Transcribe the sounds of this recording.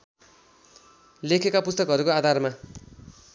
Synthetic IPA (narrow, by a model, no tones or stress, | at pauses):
lekʰekapust̪ʌkɦʌɾukoad̪ʱarma